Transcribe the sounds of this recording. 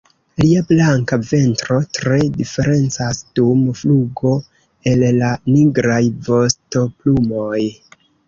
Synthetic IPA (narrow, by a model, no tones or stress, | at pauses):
liablaŋkave̞ntɾo̞tɾe̞dife̞ɾe̞nt͡sasd̥umfluɡo̞ | e̞lːaniɡɾajvo̞sto̞plumo̞j